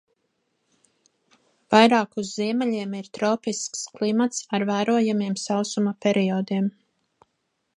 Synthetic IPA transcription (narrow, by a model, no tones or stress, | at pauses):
v̥ajɾɑːkuzːiɛmɛʎʲiɛmiɾt̪ɾɔːpisksklˠimat̪saɾvæːɾuɔjamiɛmsawsumɐpʲɛɾiɔd̪iɛm